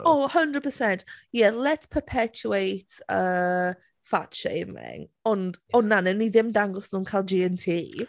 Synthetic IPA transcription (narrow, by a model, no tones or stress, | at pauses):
ohəndɹəd̚pʰəsɛntjɛlɛtspʰəpʰɛt͡ʃuejtʰəː | fatʃḛjmɪ̰ŋɔndɔnːanɛniðɪmdaŋɡɔsnuːnkʰaɪlˠd͡ʒiɛntʰiː